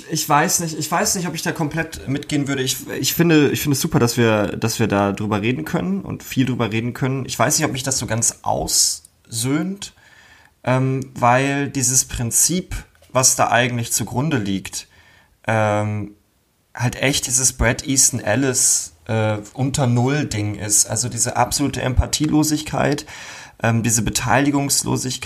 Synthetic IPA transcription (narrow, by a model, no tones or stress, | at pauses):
ɪçv̥aɪsnɪçtɪçv̥aɪsnɪçtɔpɪçd̥aːkʰɔmpl̥ɛtmɪtɡ̥eːənvʏɐɾəɪçɪçfɪndəʔɪçfɪndəsz̥uːpɐɾasv̥iːɐd̥asv̥iːɐdaːdʁyːbɐʁeːdn̩kʰœnənʔʊ̰ntfiːldʁyːbɐʁeːdn̩kʰœnənʔɪ̰çv̥aɪsnɪçtɔpmɪçd̥asz̥oːɡant͡sʔa̰ʊs | zøːnt | ʔɛːmvaɪldiːzəspʁ̥ɪnt͡siːp | vasd̥a̰ːʔa̰ɪɡŋ̩tlɪçt͡suɡʁʊndəliːkt | ʔɛːm | haltʔɛçt̚d̥iːzəsb̥ʁɛtʔiːstn̩ʔɛlɪsʔɛːʔʊntʰɐnʊldɪŋʔɪ̰stʔa̰lzodiːzəʔa̰pz̥oluːtəʔɛ̰mpʰatʰiːlʔoːzɪçkʰa̰ɪtʔɛːmdiːzəbətʰa̰ɪlɪɡʊŋslo̰ːzɪçk